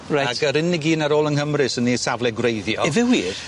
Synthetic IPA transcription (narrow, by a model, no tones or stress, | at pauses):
ɹajatəɾɪnɪɡiːnaɾoːlˠənhəmrɨsənisavlɛɡwrejðjɔɛvɛwi̥